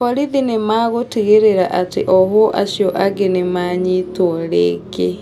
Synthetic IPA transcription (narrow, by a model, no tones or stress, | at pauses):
ɔɾiðinemaɣotiɣeɾeɾaʔateʔɔɦoʔa̰ʃjoʔaɡenemaɲitwɔɾḛɡe